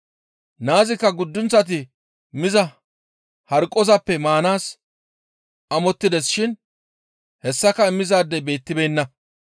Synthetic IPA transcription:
naːzɪkːɐɡʊd̪ːʊnt͡sːɐt̪̬ɪ | mɪzɐ | hɐɾkʼːɔzɐpːɛmaːnaːs | ɐmɔt̪ːɪd̪ɛsʃɪn | hɛsːɐkɐɪmːɪzaːd̪ːɛjbe̞ːt̪ːɪbɛjnːɐ

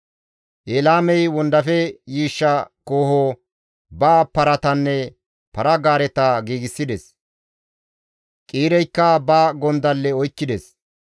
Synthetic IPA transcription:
ʔeːlaːmɛjwɔnd̪ɐfɛjiːʃːɐkoːhoː | baːpːɐɾɐt̪ɐnːɛ | pɐɾɐɡaːɾɛt̪ɐɡiːɡɪsːɪd̪ɛs | kʼiːɾɛjkːɐbaːɡɔnd̪ɐlːɛɔjkːɪd̪ɛs

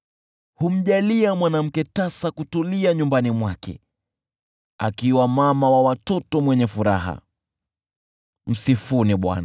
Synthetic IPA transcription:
hum̩ʄaliamwanam̩kɛtasakutuliaɲumbanimwakɛ̰ | a̰kiwamamawawatɔtɔmwɛɲɛfuɾa̰ɦa̰ | m̩sifuniɓwa̰na

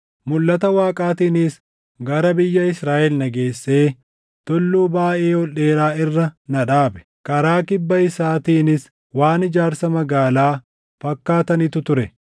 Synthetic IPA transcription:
mʊlːɐt̪ɐwaːkʼaːt̪iːnɪs | ɡɐɾɐbɪjːɐɪsɾaːʔɛlnɐɡe̞ːsːe̞ː | t̪ɔlːuːbaːʔe̞ːhɔlːe̞ːɾaːɪrːɐnɐᶑaːbɛ̥ | kɐɾaːkɪbːɐɪsaːt̪iːnɪs | waːnɪd͡ʒaːɾsɐmɐɡaːlaː | fɐkːaːt̪ɐnɪt̪ʊt̪ʊɾɛ

